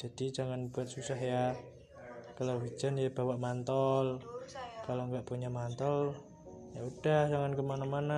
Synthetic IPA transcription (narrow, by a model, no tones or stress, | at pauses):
d͡ʒ̥ad̥id͡ʒaŋanb̥uat̪̚susahja | kalowi̥d͡ʒanjab̥awaʔmant̪ɔlkaloŋɡaʔpuɲamant̪ɔl | jaud̥ahd͡ʒaŋankəmanamana